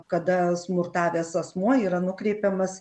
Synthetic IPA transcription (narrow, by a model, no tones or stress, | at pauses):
kɐd̪ɐsmʊrt̪ɑːʋʲeːsɐsmuɔiːɾɐnʊkɾʲɛɪpʲɛmɐs